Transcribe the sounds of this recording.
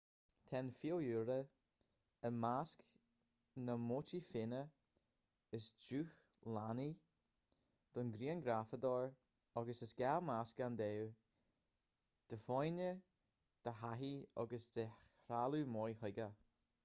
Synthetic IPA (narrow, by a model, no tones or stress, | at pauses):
t̪ʰɛnfiljuɾə | əmask | nəmoːt͡ʃifɪnə | əsd͡ʒuːx | lani | d̪̥ɔnɡɾiːənɡɾafəd̪ɔɹ | ɔɡəsəsɡɛlmaskand̪ɛw | d̪̥əfɔjnə | d̪̥əɦaɦiɔ̰ɡəsd̪̥ə | ɾalumɔjhʊɡə